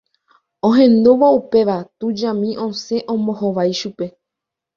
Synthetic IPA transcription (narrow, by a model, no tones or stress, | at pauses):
õɦẽ̞nd̪oʋaupe̞ʋat̪ud͡ʒãmĩʔõ̞se̞ʔõmõ̞hoʋajʃupe̞